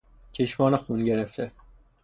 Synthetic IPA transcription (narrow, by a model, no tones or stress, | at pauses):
t͡ʃʰeʃmɒːnexunɟeɾeft̪ʰe